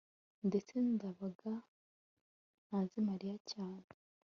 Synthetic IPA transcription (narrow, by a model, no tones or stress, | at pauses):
ndet͡sendaβaɡa | azimaɾijacaːne